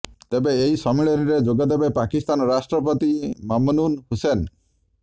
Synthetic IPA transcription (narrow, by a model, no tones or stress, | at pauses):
t̪ebeːɦisɔmiɭɔɾiɾed͡ʒoɡad̪ebepakist̪anɔɾasʈɾɔpɔt̪imamɔnunhusen